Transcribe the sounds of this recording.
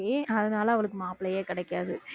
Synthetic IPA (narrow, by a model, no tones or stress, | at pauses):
eɐðɯnaːlɐɐʋɐɭɯk̬ːɯmaːpɪɭɐjeːkɪɽɛɪkːaːðɯ